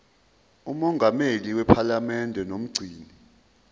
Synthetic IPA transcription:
umɔŋɡʱameliwɛpʰalamɛndʱɛnom̩ɡ͡ǀʱiːni

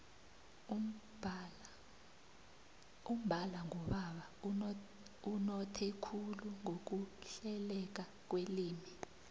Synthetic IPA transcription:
um̩bʱalaŋɔɓaɓa | unɔtʰɛkʰuluŋok̬uɬɛlɛk̬a | k̬weliːmi

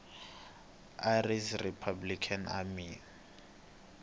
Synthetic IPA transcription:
arisripʰablikʰana̰mi

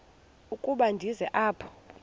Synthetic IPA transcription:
ukʼuɓandʱizɛʔaːpʰɔ̥

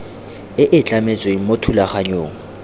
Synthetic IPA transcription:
ɪʔɪt͡ɬʼamet͡sʼweimotʰulaχaɲoːŋ̩

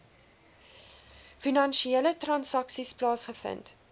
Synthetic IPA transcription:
finɐnʃielətrɐnsɐksisplɑːsχəfə̰nt

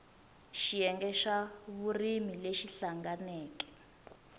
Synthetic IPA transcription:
ʃijɛŋɡɛʃaβurimileʃiɬaŋɡanɛːkɛ̥

